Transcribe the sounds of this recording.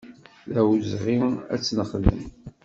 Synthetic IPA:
ðæwzʁiæ̰t͡sːnəχðə̰m

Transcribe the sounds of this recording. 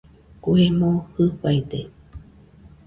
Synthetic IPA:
kuemõhɨɸajt̪e

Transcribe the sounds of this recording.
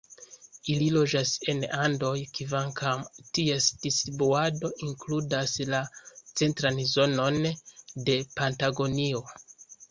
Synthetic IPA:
ililo̞d͡ʒase̞nando̞jkivaŋkʰamtiesd̥isibuado̞ʔiŋkludaslat͡se̞ntɾanzo̞no̞nde̞pantaɡo̞nio̞

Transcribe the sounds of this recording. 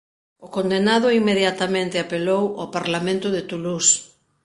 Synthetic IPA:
ʊkond̪enaðʊimːeðjat̪amẽnt̪ɪapelowapaɾlamẽnt̪ʊðɪt̪ulus

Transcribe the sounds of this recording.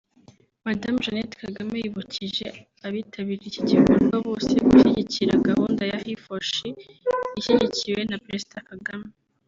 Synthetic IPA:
madamʒanetkaɡamejiβucʰiʒe̞ | aβiːtʰaβiɾicicivuɾɡwaβo̞ːseɡuʃiɟiciɾaɡahuːndajahifoʃi | iʃiɟiciwe̞napɾezid̥akaɡame

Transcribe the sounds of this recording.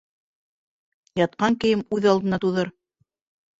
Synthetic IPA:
jɑt̪̚qɑŋkɘ̆jɘmʉðɑlˠd̪ɤ̆nɑt̪uðɤɾ

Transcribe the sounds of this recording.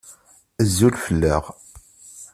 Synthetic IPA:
əzːulfəlːəʁ

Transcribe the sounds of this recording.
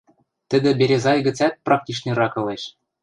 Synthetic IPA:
t̪ɘ̆d̪ɘ̆bʲeɾʲezɑjɡɘ̆t͡sæt̪̚prɑk̚t̪ʲiʃnɤ̆ɾɑkɤ̆leʃ

